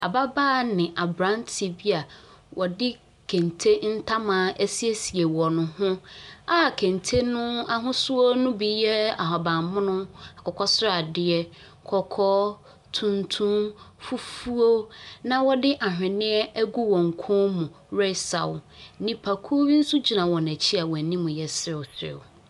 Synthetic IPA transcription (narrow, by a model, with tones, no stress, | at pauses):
a˨ba˦baː˦˨nɪ̃˨ʔa˨bɾã˦ntʰi˨bi˦a˨ | wʔɔ˨dɪ˦ | kʰẽ˨n˨tʰe˦n̩˦tʰa˦mã˨˦ʔe˦si˦e˦si˨e˨wɔ˨nʊ̃˨hʊ̃˦a˦˨kʰẽ˨n˨tʰe˦nʊ̃˦a˦ɦʊ̃˦sʊ˦o˦nʊ̃˦bi˨jɛ˦a̰˨ɦɔ˨bã˨mmʊ̃˦nʊ̃˦a˨kʰɔ˨kʰɔ˦sʊ˦ɾa˨dɪ˨ɛ˦ | kʰɔ˨kʰɔ˦ | tʰũ˦ntʰũ˦mfu˦fu˦o˦nã˦wɔ˦dɪ˦ʔa˨ɦᶣɪ̃˨nɪ̃˦ɛ˦æ˦ɡu˦wɔ̃˨ŋ̩˨kʷʰɔ̃˦mũ˨ | ɾɛ˦sa̰˨wnɪ̃˦pʰa˨kʰu˦o˦wi˦n̩˦su˦d͡ʑi˨nã˨wɔ̃˨næ˨t͡ɕʰi˦a˨wɔ˨nĩ˦mʊ̃˨jɛ˨sɾɪ˨ʊ˨sɪ̰˨w